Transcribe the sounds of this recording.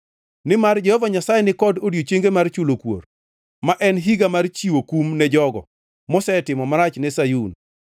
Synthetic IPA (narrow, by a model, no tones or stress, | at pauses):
nɪmard͡ʒɛhɔvaɲasajɛnɪkɔdodjot͡ʃeŋɡemart͡ʃulokwo̰r | maʔɛnɦiɡamart͡ʃiwokumnɛd͡ʒɔɡɔ̰ | mɔsɛtɪmɔmaɾat͡ʃnɛsajun